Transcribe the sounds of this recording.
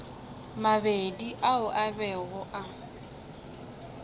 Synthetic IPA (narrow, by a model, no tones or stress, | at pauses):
mabediʔaʊʔabɛɣʊʔa